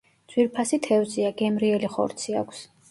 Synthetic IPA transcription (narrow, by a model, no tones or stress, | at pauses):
d̪z̥wiɾpʰasit̪ʰɛvziaɡɛmɾiɛliχɔ̰ɾt̪sʰia̰kʷʰs